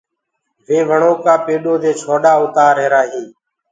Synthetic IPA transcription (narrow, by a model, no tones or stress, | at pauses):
ʋeːʋəɳoːkaːpeːɗoːd̪eːt͡ʃʰoːɗaːʊt̪aːɾeːɾaːɦiː